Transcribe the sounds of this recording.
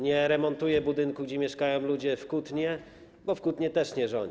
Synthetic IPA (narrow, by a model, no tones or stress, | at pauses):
ɲɛɾɛmɔnt̪ujɛbud̪ɘŋkuɡd͡ʑɛmʲjɛʂkajɔ̃w̃lud͡ʑɛfkut̪ɲɛ | bɔfkut̪ɲɛt̪ɛʂɲɛʐɔɲ